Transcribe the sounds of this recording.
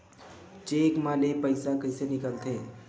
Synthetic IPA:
t͡ʃekmãlepəɪsakəɪsenɪkəlt̪ʰe

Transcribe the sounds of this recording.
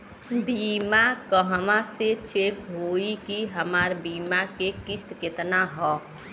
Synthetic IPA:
biːmakəɦəmãset͡ʃeːkɦoːikiɦəmaːɾbiːmakekɪst̪kɪt̪naɦɔː

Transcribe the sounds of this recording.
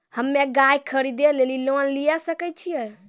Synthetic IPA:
həmːeɡajkʰəɾid̪elelilonlijasəkɛt͡ʃʰijɛ

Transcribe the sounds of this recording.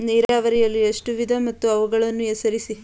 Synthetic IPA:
niːɾaːʋɐɾijɐlːiɐʂʈuʋid̪ʱɐmɐt̪ːuɐʋuɡɐɭɐnːuesɐɾisi

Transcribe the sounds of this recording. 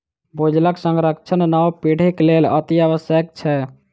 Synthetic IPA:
bod͡ʒlaksə̃ŋɡɾəkt͡ʃʰənnawpiɽ̤eklelə̰t̪iəʋəsjək̚t͡ʃʰɛ

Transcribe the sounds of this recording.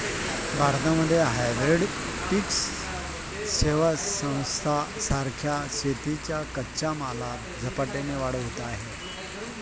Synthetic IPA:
bʱaɾt̪aməd̪ʱːjeɦajʋɾeɽpiks | ɕeʋasə̃w̃st̪ʰasaɾkʰjaɕet̪it͡ɕjakətːɕamalat̪d͡zʱəpaʈeneʋaɽ̤əɦot̪aɦe

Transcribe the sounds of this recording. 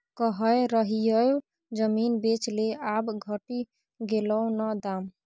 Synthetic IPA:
kəɦəjɾəɦijəjo | d͡ʒəminbet͡ʃleabɡʱəʈi | ɡeləwnəd̪am

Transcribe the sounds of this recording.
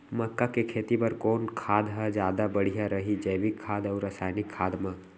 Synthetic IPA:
mɐkːakekʰeːt̪ipɐɾkɔːnkʰaːd̪ɦɛd͡ʒjaːd̪abɐɽ̤ijaɾɐɦid͡ʒɐjʋɪkʰːaːd̪ɔːɾɐsaːjnɪkʰːaːd̪mãː

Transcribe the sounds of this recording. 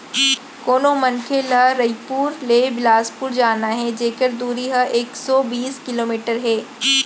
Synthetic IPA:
koːnõmɐnkʰelaɾɐipuːɾleːbɪlaːspʊɾd͡ʒaːnaɦɛd͡ʒeːkəɾd̪uːɾiɦəʔeːksɔbiːskɪloːmiːʈəɾɦɛː

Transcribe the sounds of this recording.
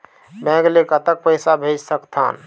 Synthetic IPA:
bɛ̃ɡlekət̪ək̚pəɪsabʱed͡ʒsəkt̪ʰa̰ːn

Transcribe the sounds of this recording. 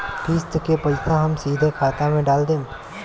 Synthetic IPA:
pʰiːst̪kepɐlsãɦɐmsiːd̪ʱekʰaːt̪amẽɖaːld̪ẽː

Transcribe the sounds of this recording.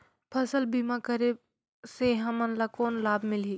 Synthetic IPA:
pʰɐsəlbimakəɾe | seɦɐmənlakoːnlaːbmɪliː

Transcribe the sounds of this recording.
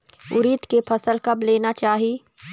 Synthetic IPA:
ʊ̰ɾit̪kepʰɐsəlkɐbleːnat͡ʃaːɦie

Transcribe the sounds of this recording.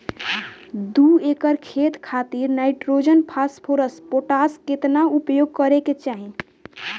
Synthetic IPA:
d̪uekəɾkʰet̪kʰat̪iɾnajʈɾod͡ʒənpʰaspʰoɾəspoʈasket̪naupjoɡ̚kəɾeket͡ʃaɦi

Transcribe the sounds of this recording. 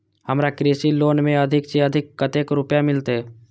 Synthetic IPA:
hɐmɾakɾeːsiloːnmẽɐd̪ʱɪkseɐd̪ʱɪkːɐt̪eːkɾʊpjamɪlt̪eɦ

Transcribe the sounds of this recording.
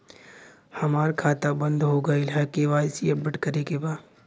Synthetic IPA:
hɐmaːɾkʰaːt̪abə̃nd̪ɦoɡɐilɦɛkeʋaːsiəbəʈkəɾekebaː

